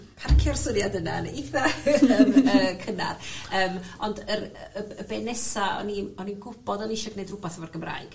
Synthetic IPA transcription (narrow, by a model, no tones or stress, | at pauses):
pʰarkʰjɔrsʊnjadəna̰niθaəməːkʰəna̰rəːmɔndəɾəəbɛnɛsaɔ̰ninɔninɡʊb̥ɔdɔniʃɔɡnejdrʊbaθavɔrɡəmra̰jɡ̥